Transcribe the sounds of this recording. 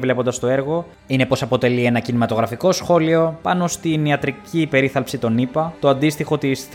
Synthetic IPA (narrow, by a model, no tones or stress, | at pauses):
vle̞po̞nd̪ɐst̪o̞e̞ɾɣo̞ | ine̞po̞sɐpo̞t̪e̞lie̞nɐcinimɐt̪o̞ɣɾɐfiko̞sxo̞lio̞pɐno̞st̪iniɐt̪ɾicipe̞ɾiθɐlpsit̪o̞nipɐt̪o̞ɐnd̪ist̪ixo̞t̪isθ